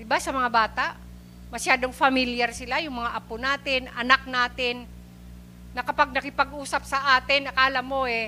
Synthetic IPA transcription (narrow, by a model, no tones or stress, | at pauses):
d̪ɪbasɐmɐŋabaːt̪aʔ | mɐʃjaːd̪oŋfɐmɪljaɾsɪlajʊŋmɐŋaʔɐponaːt̪ɪnʔɐnak̚naːt̪ɪnː | ɐkɐpaɡ̚nɐkɪpɐɡʔuːsɐp̚sɐʔaːt̪ɪnɐkaːlɐmːo̞ʔɛ